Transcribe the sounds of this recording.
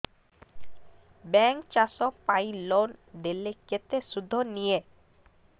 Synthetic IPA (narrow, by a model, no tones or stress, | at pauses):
bɛŋkt͡ɕaʃokpajlond̪elːeket̪ːeʃud̪ʱːonije